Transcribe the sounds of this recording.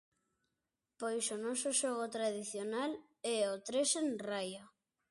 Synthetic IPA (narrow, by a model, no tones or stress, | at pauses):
pojsonɔsʊʃɔɣot̪ɾaðiθjonal | ɛot̪ɾesenraja